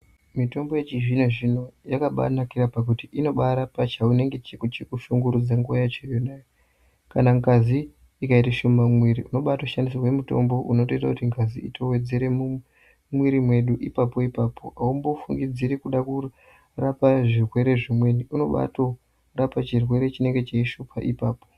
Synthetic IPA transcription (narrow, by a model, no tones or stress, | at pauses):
mito̞mbo̞jet͡ʃiʐinoʐino̞jakaɓa̰nakiɾapak̬utiʔino̞ɓaɾapat͡ʃaune̞ŋɡe̞t͡ʃekut͡ʃekuʃuŋɡuɾud͡zaŋɡuajat͡ʃejonaːjo | kanaŋɡaziː | kaitaʃo̞mamwiɾiʔuno̞ɓatoʃandis̬irwe̞muto̞̰mbo̞ʔuno̞to̞itakutiŋɡazḭḭtʰo̞we̞d͡ze̞ɾe̞mu | mwiɾimwe̞ɗuʔipapo̞ipapo̞ʔaumbofuŋɡid͡ziɾekuɗaku | rapaʐirwe̞ɾe̞ʐimwe̞niʔuno̞ɓa̰to̞ | rapat͡ʃirwe̞ɾe̞t͡ʃine̞ŋɡe̞t͡ʃeiʃupʰa̰ʔipaːpo̞̥